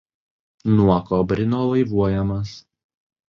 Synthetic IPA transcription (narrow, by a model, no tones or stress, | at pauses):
nuɔkoːbʲɾʲɪnoːlˠɐɪʋuɔjɛmɐs